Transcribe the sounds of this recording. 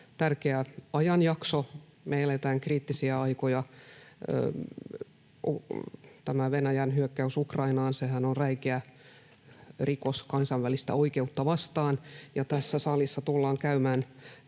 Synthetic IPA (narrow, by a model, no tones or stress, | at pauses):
t̪ærkeæɑjɑnjɑkso | melet̪æːŋkriːt̪ːisiæɑikojɑ̰ | t̪æmæʋenæjænɦyøkːæysukrɑinɑːnsehænonræikeæ | rikoskɑnsɑʋʋælist̪æ̰oike̞ut̪ːɑʋɑst̪ɑːnjɑt̪æsːæsɑlisːɑt̪ulːɑːŋkæymæːn